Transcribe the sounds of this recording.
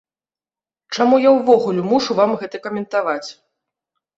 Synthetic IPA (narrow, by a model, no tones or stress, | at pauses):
t͡ʂamujawvɔɣulʲumuʂuvamɣɛt̪ɐkɐmʲɛnt̪avat͡sʲ